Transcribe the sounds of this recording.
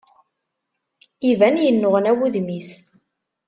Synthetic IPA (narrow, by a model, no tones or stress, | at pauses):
ivænjənːʊʁənæwuðmis